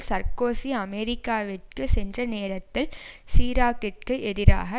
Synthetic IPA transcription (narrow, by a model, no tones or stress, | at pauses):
sɐɾkoːsiɐmɛɾɪkːaːʋɪʈ̚kɯsɛndrɐneːɾɐt̪ːɪlsiːɾaːkɪʈ̚kɯʔɛðɪɾa̰ːɣɐ